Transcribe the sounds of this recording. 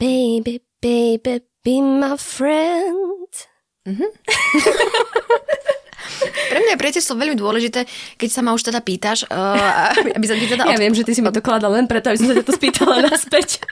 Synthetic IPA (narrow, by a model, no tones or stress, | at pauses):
b̥eɪbi | b̥eɪbi | b̥imaɪfɹɛnd̪̥ | m̩ɦm̩ | pɾɛmɲapɾiɛcɛst̪lɔʋɛlʎmid̪ʊɔlɛʒit̪ɛːkɛcsamauʃt̪ɛd̪apiːt̪aʃababisat̪it̪ɛd̪ajaʋɪɛmʒɛt̪isimat̪ɔklad̪allɛnpɾɛt̪ɔabisɔmsacat̪ɔspiːt̪ʰalanaspɛc